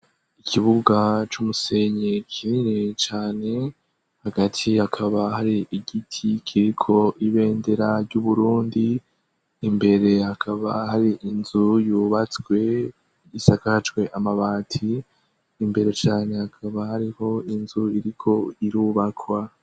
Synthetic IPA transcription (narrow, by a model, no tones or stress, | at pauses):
ikʰiβuɡat͡ʃumuse̞ɲekʰininet͡ʃaːne̞ | haɡatʰihakʰaβaɦaɾiʔiɡitʰikʰiɾikʰo̞iβe̞ːnde̞ɾaɾɟuβuɾuːndiː | mbe̞ɾe̞hakʰaβahaɾiʔinzujuːβat͡swe̞ | isakat͡ʃɡwe̞ʔamaβaːtʰiː | mbe̞ɾe̞t͡ʃaːne̞hakʰaβahaɾiho̞inzuiɾikʰo̞iɾuːβakʰwa